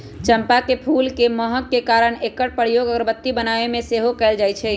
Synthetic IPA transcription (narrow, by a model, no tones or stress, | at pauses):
t͡ʃəmpakepʰulkeməɦəkːekaɾəɳekəʈ̚pəɽjoɡəɡəɾbət̪ːibənaʋemẽseɦokɛɪld͡ʒajt͡ʃʰɛ